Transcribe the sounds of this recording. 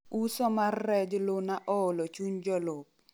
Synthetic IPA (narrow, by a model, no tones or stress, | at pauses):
usɔmarːɛd͡ʒlonaʔɔolɔt͡ʃuɲd͡ʒɔlʊp̚